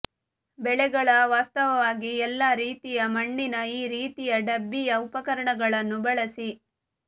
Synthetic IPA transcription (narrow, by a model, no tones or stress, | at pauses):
bɛɭɛɡɐɭɐʋaːst̪ɐʋɐʋaːɡiɛlːaːɾiːt̪ijɐmɐɳːinɐiːɾiːt̪ijɐɖɐbːijɐupɐkɐɾɐɳɐɡɐɭɐnːubɐɭɐsi